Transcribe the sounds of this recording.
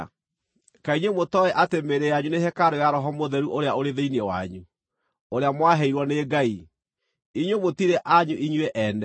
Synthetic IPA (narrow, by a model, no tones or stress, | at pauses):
kaiɲwemotɔɛʔatemeɾejaɲunehɛkaɾojaɾɔɦɔmoðɛɾuʔoɾeaoɾeðeiniɛwa̰ɲu | oɾeamwaɦeiɾwɔneːɡai | iɲwemotiɾeʔaɲuʔiɲweʔɛnɛ